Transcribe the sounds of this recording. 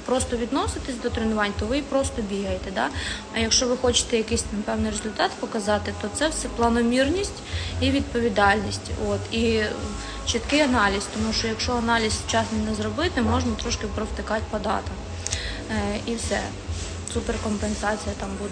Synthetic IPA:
pɾɔst̪ɔʋʲid̪nɔsɪt̪ɪsʲd̪ɔt̪ɾɪnʊʋɑnʲt̪ɔʋɪipɾɔst̪ɔbʲiɦɐjet̪ɛd̪ɑ̰ | ɐjɐkʃt͡ʃɔʋɪxɔt͡ʃɪ̥t̪ɛjɐkɪsʲt̪ɑmpɛwnɪjrezʊlʲt̪ɑt̪pɔkɐzɑt̪ɪt̪ɔt̪sɛwsɛplˠɐnɔmʲirnʲisʲtʲiʋʲid̪̚pɔʋʲid̪ɑlʲnʲisʲtʲot̪i | t͡ʃɪt̪kɪɐnɑlʲisʲt̪ɔmuʃt͡ʃɔjɐkʃt͡ʃɔɐnɑlʲizʲt͡ʃɑsnɐnɛzɾɔbɪt̪ɪmɔʒnɐt̪ɾɔʃkɪpɾɔwt̪ɪkɑtʲpɐd̪ɑ̰t̪ɐk | iwsɛ̰ | superkɔmpensɑt͡sʲijɐt̪ɑmbud̪

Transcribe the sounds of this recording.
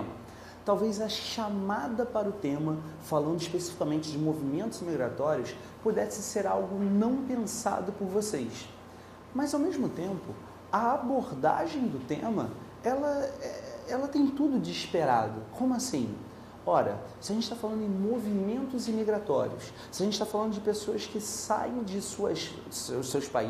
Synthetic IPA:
mɐ̰ | t̪awvezɐʃamad̪ɐpaɾɐʊt̪ẽmɐfalɐ̃nd̪ʊiʃpesi̥fi̥kɐmẽnt͡ʃɪd͡ʒɪmovimẽnt̪ʊzimiɡɾa̰t̪ɔɾiʊs | pud̪ɛsɪseɾawɡʊnɐ̃w̃pẽsa̰d̪ʊpʊɾvosejs | mɐzawmeʒmʊt̪ẽmpʊ̰ | ɐaboɾd̪a̰ʒẽj̃d̪ʊt̪ẽmɐ̰ | ɛlɐɛɛlɐt̪ẽj̃t̪ud̪ʊd͡ʒiʃpeɾa̰d̪ʊkõmʊasĩ | ɔɾɐ̰sɪɐʒẽtt͡ʃɪt̪afalɐ̃nd̪ʊɪ̃movimẽnt̪ʊzimiɡɾat̪ɔɾiʊ̰s | sɪɐʒẽt͡ʃɪt̪afalɐ̃nd̪ʊd͡ʒɪpesoɐskɪsa̰jẽj̃d͡ʒɪsuɐ̰s | ʊsewspa̰i

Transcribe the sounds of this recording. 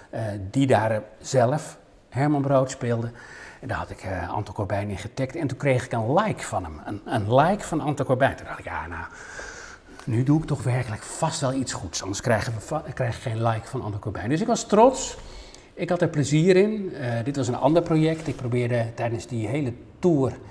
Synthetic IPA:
ədidaːrz̥ɛləf | hɛɹmɑnbrowtspɪːlˠdəɛndaːɹhɦɑtɪkʰɑ̰ntɑlˠkɔɹbɛjnənɪnχətɛk̚tɛntũnkrejχɪkənlɛjkfɑnəmənənlɛjkfɑnənɑntɔlˠkɔɹbɛjntundɑχtɪkja̰ːna | nyduɪk̚tɔχʋɛɹkələkfɑstʋɛlˠitsχutsɑndəɹskrɛjχəʋəkrɛjxχejnlɛjkfɑnəɑ̰ndəkɔɹbɛjndɵsɪkʋɑstrɔts | ɪkhɑtəɹpləziːɾɪndɪtʋɑsənɑ̰ndəɹprojɛktɪk̚prowbɪːɹdətɛjdənzdiɦejlə | tuːr

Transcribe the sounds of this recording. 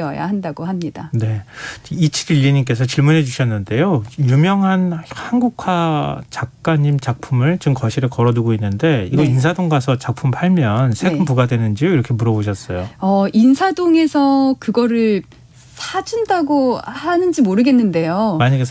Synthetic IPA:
ʌja̰handaɡoɦamɲida̰ne̞it͡ɕʰiɾiʎːiɲik͈e̞sʰʌt͡ɕiɭmunɦe̞d͡ʑuɕʰʌnːɯnde̞jojumjʌŋɦanhanɡukʰwat͡ɕak̚k͈aɲimt͡ɕak̚pʰumɯɭt͡ɕɯmkʌɕʰiɾɯkʌɾʌduɡoinːɯnde̞iɡʌinsʰadoŋɡasʰʌt͡ɕak̚pʰumpʰaɭmjʌnsʰe̞ɡɯmpuɡadwe̞nɯnd͡ʑioiɾʌkʰe̞muɾʌboɕʰʌs͈ʌjoʌinsʰadoŋe̞sʰʌkɯɡʌɾɯɭ | sʰad͡ʑindaɡohanɯnd͡ʑimoɾɯɡe̞nːɯnde̞jomaɲaɡesʰ

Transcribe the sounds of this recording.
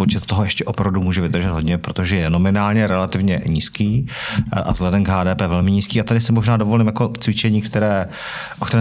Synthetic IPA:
pot͡ʃɛt̪t̪oɦojɛʃcɛʔopɾavdumuːʒɛvɪd̪r̩ʒɛd̪ɦo̞d̪ɲɛpɾot̪o̞ʒɛjɛnomɪnaːlɲɛɾɛlat̪ɪvɲɛ̰ɲiːskiːʔa̰vzɦlɛdɛmɡɦaːdɛːpɛːvɛlmɪɲiːskiːat̪adɪsɪmoʒnaːdo̞vo̞liːmjakot͡svɪt͡ʃɛɲiːkt̪ɛɾɛː | ʔok̚t̪ɛɾɛ

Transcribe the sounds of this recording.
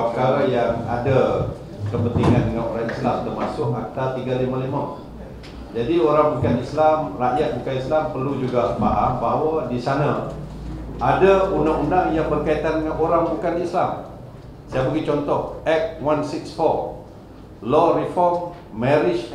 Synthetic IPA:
ɡaɾajaŋa̰da | kəpənt̪iŋandəŋanoɾaŋislamt̪ərmasʊkak̚t̪alt̪iɡalimãlimã | d͡ʒadioɾaŋbukanislamraʔjat̪̚bukanislampərlud͡ʒuɡabaʔahbawadisanã | ʔadaundaŋundaŋjaŋbərkait̪andəŋanʔoɾaŋbukanislam | sajabəɡit͡ʃɔnt̪ɔhɛk̚wansiksfɔr | lɔrifɔrmː | ɛɾɪt͡ʃ

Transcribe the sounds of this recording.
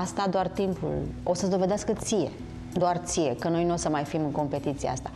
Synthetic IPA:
ast̪ad̪oart̪impṵlo̞səzd̪o̞ve̞d̪easkət̪sije̞̰ | d̪oart̪sije̞kəno̞jnuosəmajfimɨŋko̞mpe̞t̪it̪siḛa̰st̪a

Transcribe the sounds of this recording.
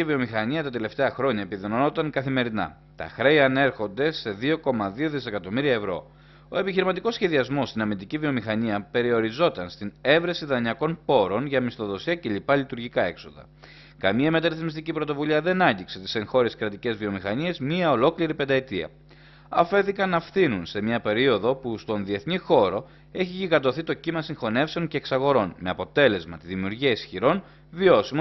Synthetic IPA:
ivio̞mixɐɲiɐt̪ɐt̪e̞le̞ft̪eɐxɾo̞ɲɐepiðonono̞t̪ɐŋkɐθime̞ɾinɐ̰ | t̪ɐ̰xɾe̞iɐne̞ɾxo̞nd̪e̞se̞ðio̞ko̞mɐðio̞ðise̞kɐt̪o̞miɾiɐevɾo̞̰ | o̞e̞piçiɾimɐt̪iko̞sçe̞ðiɐzmo̞st̪inɐmind̪icivio̞mixɐɲiɐpe̞ɾio̞ɾizo̞t̪ɐnst̪ine̞vɾesiðɐɲɐko̞npo̞ɾo̞nʝɐmist̪o̞ðo̞siɐceʎipɐlit̪uɾʝikɐe̞kso̞ðɐ̰ | kɐmiɐme̞t̪ɐɾiθzmist̪icipɾo̞t̪o̞vuliɐðe̞nɐɲɟikse̞t̪i̥se̞ŋxo̞ɾiskɾɐt̪ice̞zvio̞mixɐnie̞zmiɐo̞lo̞kliɾipe̞nd̪ɐet̪iɐ̰ | ɐfe̞θikɐnɐfθinunse̞mɲɐpe̞ɾio̞ðo̞pust̪o̞nðie̞θnixo̞ɾo̞ | e̞çiʝiɣɐd̪o̞θit̪ocimɐsiŋxo̞ne̞fseo̞ɲce̞ːksɐɣo̞ɾo̞nme̞ɐpo̞t̪e̞le̞zmɐt̪iðimiuɾʝiɐisçiɾo̞n | vio̞simo

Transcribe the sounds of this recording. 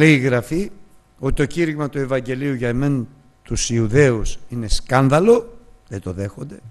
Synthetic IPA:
leiɣɾɐfi | o̞t̪it̪o̞ciɾiɣmɐt̪ue̞vɐɲɟe̞liuʝɐeme̞n | t̪usiuðe̞usine̞skɐnðɐlo̞ðet̪o̞ðe̞xo̞nd̪e̞

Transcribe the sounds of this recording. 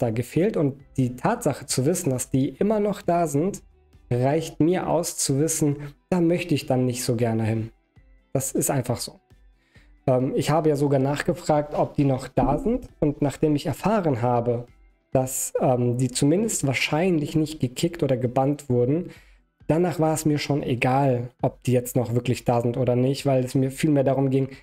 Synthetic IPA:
d̥aːɡəfeːltʊnt̚d̥iːtʰaːtz̥aχət͡suvɪsn̩d̥asd̥iːʔɪmɐnɔχd̥aːzɪnt | ʁaɪçtmiːɐʔa̰ʊst͡suvɪsn̩d̥aːmœçtəɪçd̥anːɪçtz̥oːɡɛɐnəhɪn | d̥asɪstʔaɪnfaχz̥oː | ʔɛːmɪçhaːbəjaːzoɡaːɐnaːχɡ̥əfʁ̥aːk̚tʔɔp̚d̥iːnɔχd̥aːzɪntʊntnaːχd̥eːmɪçɛɐfaːʁənɦaːbə | d̥asʔɛːmdiːt͡sumɪndəstv̥aːɐʃaɪnlɪçnɪçt̚ɡ̥əkʰɪktʔoːdɐɡəbantv̥ʊɐdn̩ | d̥anaːχv̥aːɐɛsmiːɐʃoːnʔeɡaːlʔɔp̚d̥iːjɛt͡stnɔχv̥ɪɐklɪçd̥aːzɪntʔoːdɐnɪçtv̥aɪlɛsmiːɐfiːlmeːɐdaːʁʊmɡɪŋ

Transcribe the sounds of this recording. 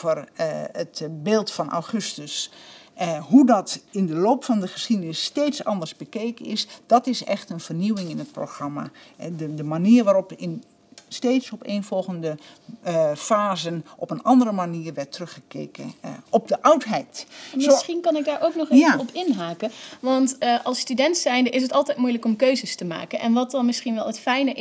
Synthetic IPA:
vərətbeːlˠtfɑnʔa̰wχɵstəs | ɦudɑtɪndəloːpfɑndəχəsxidənɪsːteːtsɑ̰ndərzbəkeːkəɪsd̥ɑtɪsɛ̰xtənv̥ərniwɪŋɪnət̚proxrɑma̰ədəmaniːrʋaːɾɔpɪn | steːtsɔpeːnfɔlˠɣəndə | faːzənʔɔpənɑndərəmaniːrʋɛɹtrɵχəkḛːkəɔb̚dəʔʌwtɦɛjtmɪsχinkɑnɪɡ̚daːɹʔowknɔχeɔpɪnɦaːkəʋɑntʔɑlˠstydɛntsɛjndəʔɪs̬ətɑlˠtɛjtmujləkɔmkøɥzəstəma̰ːkənʔɛ̰nʋɑt̚dɑnmɪsχinʋɛlˠɦətfɛjnəʔ

